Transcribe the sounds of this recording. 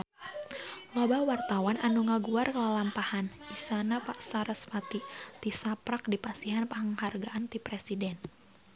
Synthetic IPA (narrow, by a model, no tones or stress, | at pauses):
lɔbawart̪awananuŋaɡuarkəlalampahanisanapaʔsaɾəsfat̪it̪isapɾak̚dipasiɦanpaɦəŋharɡaʔant̪ipɾɛsidɛn